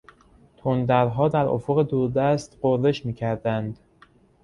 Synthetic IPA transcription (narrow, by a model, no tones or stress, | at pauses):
t̪ʰond̪æɾɦɒːd̪æɾʔo̰foɣe̞d̪uːɾd̪æst̪ɢoɾe̞ʃmiːcʰæɾd̪ænd̪